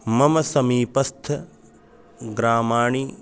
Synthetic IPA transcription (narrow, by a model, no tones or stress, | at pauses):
mɐmɐsɐmiːpɐst̪ʰɐ | ɡɾaːmaːɳi